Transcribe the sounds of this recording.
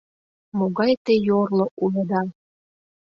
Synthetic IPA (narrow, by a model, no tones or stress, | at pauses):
moɣɑjt̪ejorloʔulɤd̪ɑ